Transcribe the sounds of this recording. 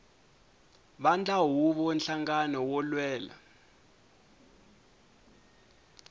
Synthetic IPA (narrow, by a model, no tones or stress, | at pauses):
ɓand͡ɮʱʼaɦuɓɔnɬaŋɡanɔwɔlwɛːla̰